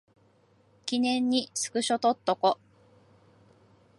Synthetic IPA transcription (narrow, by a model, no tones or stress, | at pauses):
kʲinẽ̞ɲ̟ːisɨ̥kɯ̟ɕo̞t̪ot̪ːoko